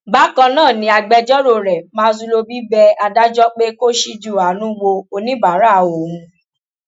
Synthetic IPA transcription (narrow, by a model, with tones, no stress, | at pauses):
ba˨˦kã˧nãː˦˨nĩ˨˦a˧ɡ͡bɛ˧d͡ʒɔ˦ɾo˧˨ɾɛ˨mãː˦˧˦zu˧lo˧bi˦bɛ˧a˧da˦d͡ʒɔ˦k͡pe˦ko˦ʃi˧d͡ʒu˦˨a˨˦nũ˦wo˧o˧nĩ˦ba˨˦ɾa˦˨o˨hũ˧